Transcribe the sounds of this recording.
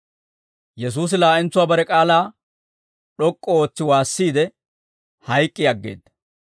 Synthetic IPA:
jɛs̬uːs̬ɪlaːʔɪnt͡sːʊwaːbɐɾɛkʼaːlaː | ɗɔkʼːɔo̞ːt͡sːɪwaːsːiːd̪ɛ | hɐjkʼːɪjɐɡːḛːd̪ɐ

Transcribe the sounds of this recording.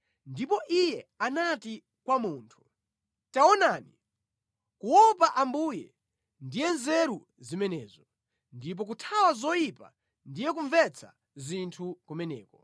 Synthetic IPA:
ndipɔʔijɛanati | kwamuːntʰu̥ | taɔnaːni | kuwɔp̬aʔambujɛ̰ | ndijɛnzɛɾu | zimɛnɛːzɔ | ndip̬ɔk̬utʰawazɔjipa̰ | ndijɛkuɱvɛt͡sʰa̰ | zintʰukumɛnɛ̰ːkɔ

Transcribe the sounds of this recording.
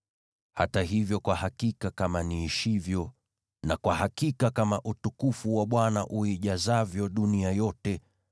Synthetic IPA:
hataɦivjɔkwahakikakamaniːʃivjɔ | nakwahakikakamaʔutukufuwaɓwanaʔuiʄazavjɔɗuniajɔtɛ

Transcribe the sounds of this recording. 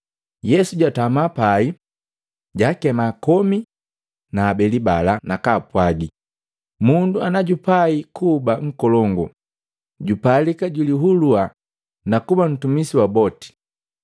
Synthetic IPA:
jɛsuɟatamapai | ɟakɛmaːkɔmi | naːbɛlibalanakapwaɡi | munduanaɟupaikubaŋ̩kɔlɔŋɡɔ̰ | ɟupalikaɟuliɦulua | nakuban̩tumisiwabɔti̥

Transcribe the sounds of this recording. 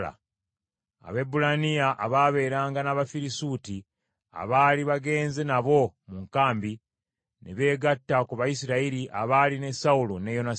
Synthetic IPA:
a̰ | a̰βe̞bulanijaʔaβaβe̞ːɾaːŋɡanaβafiɾisuti | a̰βaːliβaɡe̞ːnze̞naβo̞muŋkaːmbi | nḛβe̞ːɡatːakuβajisiɾaiɾiʔaβaːline̞saulonejo̞na

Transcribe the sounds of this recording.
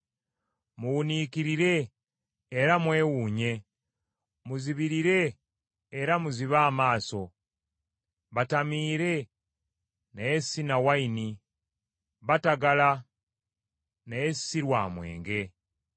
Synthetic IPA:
muwuniːkiɾiɾe̞ː | ɾamwe̞ːwuːɲe̞ | muziβiɾiɾe̞ː | ɾamuziβaːmaːso̞ | βatamiːɾe̞ | najessinawaini | βataɡala | najessiɾwaːmwe̞̰ːŋɡe̞

